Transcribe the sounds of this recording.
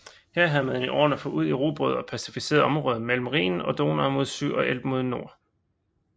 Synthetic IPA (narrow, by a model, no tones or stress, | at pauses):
heɐ̰ɦæðˠmæneniʔɒ̰ːnɐfɔ̽uð̞̰ˠiʁoːb̥ʁoðˠɒ̽pʰæsi̥fise̝̰ːɐð̩ˠɒ̽mʁɔ̽ːð̞ˠɐmel̰m̩ʁḭːn̩ɒ̽d̥o̝ːnɐmo̝ð̞ˠsy̰ːʔɒ̽ʔel̰b̥mo̝ð̞ˠno̝ɐ̰